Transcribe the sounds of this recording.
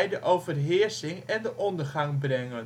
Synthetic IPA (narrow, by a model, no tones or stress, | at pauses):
jdəʔowvərɦɪːɹsɪŋɛndəʔɔndəɹχɑŋbrɛŋən